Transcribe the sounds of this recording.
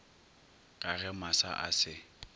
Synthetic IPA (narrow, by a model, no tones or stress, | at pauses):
kʼaɣɛmasa̰ʔa̰sɪ